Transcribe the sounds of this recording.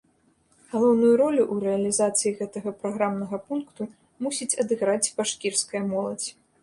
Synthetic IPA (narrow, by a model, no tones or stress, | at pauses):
ɣalˠɔwnujuɾɔlʲuʔːɾɛɐlʲizat̪sɨjiɣɛt̪ɐɣɐpɾaɣɾamnɐɣɐpunkt̪u | musʲit͡sʲɐd̪ɨɣɾat͡sʲbaʂkʲirskɐjɐmɔlˠɐt͡sʲ